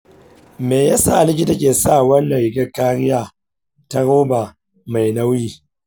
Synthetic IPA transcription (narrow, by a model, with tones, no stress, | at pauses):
meː˨ja˦sa˦˨ʔa˨lɪ˦kʲi˦˨ta˦kʲeː˨saː˦˨wɐ˦nːɐ˨jɪ˨ɡʲɐ˦kaː˦ɽɪ˦jaː˦ | ta˦ɽoː˦ba˨ | ma˨jna˦wjiː˦